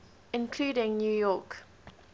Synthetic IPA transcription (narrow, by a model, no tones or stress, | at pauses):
ɪ̃nkʰluːɾɪ̃ŋnjuːjɔˑk